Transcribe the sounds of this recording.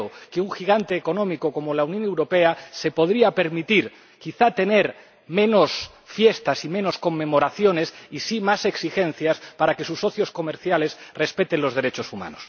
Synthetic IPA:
okeuŋxiɣ̞ant̪eːko̞nõ̞mikoko̞molaunjone̞wɾo̞pease̞po̞ðɾiape̞ɾmit̪iɾ | kiθat̪e̞ne̞ɾ | mẽ̞nos | fje̞st̪asimẽ̞no̞sko̞mːe̞mo̞ɾaθjo̞ne̞sisimase̞ksixe̞n̟θjaspaɾake̞susːo̞θjo̞sko̞meɾθjale̞sre̞spe̞t̪enlo̞zð̞e̞ɾet͡ʃo̞sumã̰nos

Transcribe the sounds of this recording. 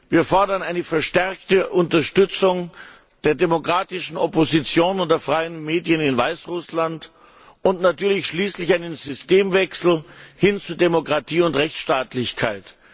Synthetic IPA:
viːɐfɔɐdɐnaɪnəfɛɐʃtɛɐk̚təʔʊntɐʃtʏt͡sʊŋ | d̥eːɐdemokʁ̥aːtɪʃn̩ɔpozit͡sjoːnʊntd̥eːɐfʁ̥aɪənmeːdijənɪnvaɪsʁʊslant | ʊntnatyːɐlɪçʃliːslɪçʔaɪnənzʏsteːmvɛksl̩hɪnt͡suːdemokʁ̥atʰiːʊntʁɛçt͡sʃtaːtlɪçkʰaɪt

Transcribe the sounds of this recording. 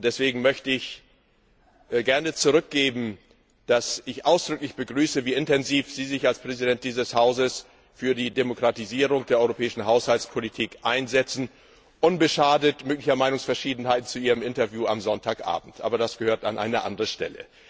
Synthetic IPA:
d̥ɛsv̥eːɡŋ̩mœçtəɪç | ɡɛɐnət͡suʁʏk̚ɡ̥eːbm̩ | d̥asɪçʔaʊsd̥ʁʏklɪçb̥əɡʁyːsəviːɪntɛnziːfz̥iːzɪçalspʁ̥ɛzidɛnt̚d̥iːzəshaʊzəs | fyːɐdiːdemokʁ̥atiziːʁ̞ʊŋd̥eːɐɔʏʁopʰɛːɪʃn̩ɦaʊshalspʰolitʰiːkʔaɪnzɛt͡sn̩ | ʔʊnbəʃaːdətmøːklɪçɐmaɪnʊŋsfɛɐʃiːdn̩haɪtn̩t͡suʔiːʁəmʔɪntɐvjuːamzɔntʰaːkʔa̰ːbm̩tʔa̰ːbɐdasɡ̥əhøːɐta̰nʔa̰ɪnəʔa̰ndəʁəʃtɛ̰lə̰

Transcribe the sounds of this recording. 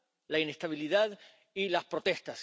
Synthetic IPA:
lainest̪aβ̞iliðað | ilaspɾo̞t̪e̞st̪as

